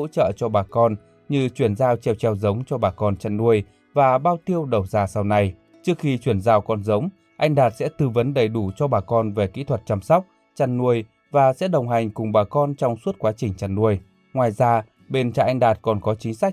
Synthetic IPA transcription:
o̰˧˥t͡ɕə̰ː˧˨t͡ɕɔ˧ɓaː˨˩kɔ˧n | ɲɨ˧t͡ɕwi˧˩ənzaː˧wt͡ɕɛ˧˩wt͡ɕɛ˧˩wzə˨˦wŋ͡mt͡ɕɔ˧ɓaː˨˩kɔ˧nt͡ɕa˧nnu˧˩əj | vaː˨˩ɓaː˧wt̪i˧əwɗə˨˩wzaː˨˩sa˧wna˨˧˩j | t͡ɕɨ˦˥ək̚xi˧t͡ɕwi˧˩ənzaː˧wkɔ˧nzə˨˦wŋ͡m | ʔa˧jŋ̟ɗaː˨˩t̚sɛ̰˧˥t̪ɨ˧və˨˦nɗə˧˩jɗu˧˩t͡ɕɔ˧ɓaː˨˩kɔ˧nve˨˩kḭ˧˥t̪ʰwə˨˩t̚t͡ɕa˧msɔ˦˥wk͡p̚ | t͡ɕa˨˧˩nnːu˧˩əj | vaː˨˩sɛ̰˧˥ɗə˨˩wŋ͡mɦa˨˩jŋ̟kʊ˨˩ŋ͡mɓaː˨˩kɔ˧nt͡ɕɔ˧wŋ͡mswu˦˥t̚kwaː˨˦t͡ɕï˨˩ŋ̟t͡ɕa˧˩nːu˧˩əj | ŋwaː˨˩jzaː˧ | ɓe˧nt͡ɕa̰˧˨ʔa˧ŋ̟ɗaː˨˩t̚kɔ˨˩nkɔ˨˦t͡ɕï˨˦ŋ̟sa˦˥k̚

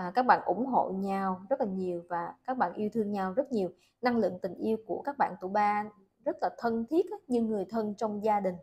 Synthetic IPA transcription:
kaː˦˥k̚ɓa̰ː˧˨nʔʊ̰˧˩˦ŋ͡mɦo̰˧˨ɲa˧wzə˦˥t̚laː˨˩ɲi˨˩əwvaː˨˩kaː˦˥k̚ɓa̰ː˧˨nʔi˧wt̪ʰɨ˧əŋɲa˧wzə˦˥t̚ɲi˨˩əw | na˧ŋlɨ̰˧˨ŋt̪ï˨˩ŋ̟ʔi˧əwku˧˩əkaː˦˥k̚ɓa̰ː˧˨nt̪u˧˩jɓaː˧ | zə˦˥t̚laː˨˩t̪ʰə˧nt̪ʰi˦˥ət̚ʔɲɨː˧ɨ˨˩əjt̪ʰə˧nt͡ɕɔ˧wŋ͡mzaː˧ɗï˨˩ŋ̟

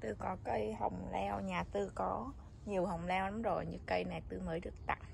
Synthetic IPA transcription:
t̪ɨ˧kɔ˨˦kə˧jhə̰˨˩wŋ͡mlɛ˧wɲaː˨˩t̪ɨ˧kɔ˨˦ | ɲi˨˩əwɦə˨˩wŋ͡mlɛ˧wa˨˦mzo˧˩jɲɨ̰˧kə˧jna˨˩jt̪ɨ˧məː˨˦jɗɨ˨˩ək̚t̪a̰˧˨ŋ

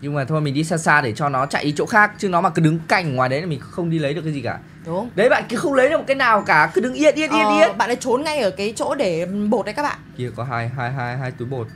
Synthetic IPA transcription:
ɲɨ˧ŋ͡mmaː˨˩t̪ʰo˧˩jmï˨˩ŋ̟ɗi˧saː˧saː˧ɗe˧˩t͡ɕɔ˧nɔ˨˦t͡ɕa̰ː˧˨ʔi˨˦t͡ɕo̰˧˥xaː˦˥k̚t͡ɕɨ˧˦ŋnɔ˨˦maː˨˩kɨ˨˦ɗɨ˨˦ŋka˨˩jŋ̟ŋwaː˨˩jɗə˨˦jna˨˩mï˨˩ŋ˨˦˥xə˧wŋ͡mɗi˧lə˨˦jɗəkaː˨˦i˨˩kaː˧˩ | ɗʊ˨˦ŋ͡mɗə˨˦jɓa̰ː˧˨ki˧˦əxə˧wŋ͡mlə˨˦jɨ˨˩mo˨˩kːaː˨˦jnaː˨˩wkaː˧˩kɨ˨˦ɗɨ˨˦ŋʔi˧ət̚ʔi˧˥ət̚ʔi˧əʔi˧ə˦t̚ɓa̰˧˨nlaː˧˦t͡ɕo˨˦nŋa˧jʔəː˧˩kaː˨˦jt͡ɕo̰˧˥ɗe˧˩ɓo˨˩t̚ʔaː˧˨kaː˦˥ɓa̰ː˧˨ki˧əkɔ˨˦ɦaː˧jɦaː˧jɦaː˧jɦaː˧jt̪u˨˦jɓo˨˩t̚

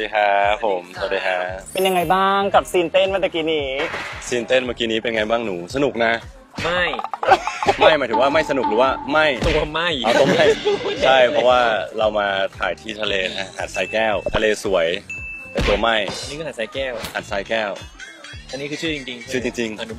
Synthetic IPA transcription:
diː˧kʰa˦˥pʰo˨˩˦msa˨˧˩t̚diː˧kʰa˦˥pe˧nja˧ŋa˧jbaː˥˩ŋka˨˩p̚siː˧nt̪e˥˩nma˥˩t͡ɕ̪ɛ˨˩kiː˧niː˨˦siː˧nt̪e˥˩nmaː˧˥ki˧niː˦˥pe˧nŋa˧jbaː˥˩ŋnuː˩˦sa˧nu˨˩k̚na˦˥ | ma˥˩j | ma˥˩jma˧˦jt̪ɯ˨˦waː˥˩ma˥˩jsa˧nu˨˩k̚ɾɯː˩˦waː˥˩ma˥˩jt̪u˧ma˥˩jʔa˧˩t̪o˧˦ma˥˩jt͡ɕʰa˥˩jpʰɔ˦˥waː˥˩ɾa˧wmaː˧t̪ʰa̰ː˩˦jt̪ʰiː˥˩t̪ʰa˧leː˧a˧˥˩ha̰˨˩t̪̚saː˧˥jkɛː˥˩wt̪ʰa˧leː˧su˨˩˦əjt̪ɛ˨˩t̪u˧ɐma˥˩jniː˦˥kʰɯ˧ha˨˩saː˧˥kɛː˥˩wha˨˩t̪̚saː˦˥jkɛː˥˩w | a˧nːiː˦˥kʰɯ˧t͡ɕʰɯː˥˩t͡ɕi˧ŋt͡ɕi˧ŋt͡ɕʰɯː˥˩t͡ɕi˧ŋt͡ɕi˧ŋa˧n˦

